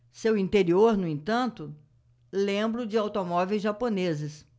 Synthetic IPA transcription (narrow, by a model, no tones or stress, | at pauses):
sewĩnt̪eɾioɾnʊẽnt̪ɐ̃nt̪ʊ | lẽmbɾʊd͡ʒɪawt̪omɔvejzʒaponezɪs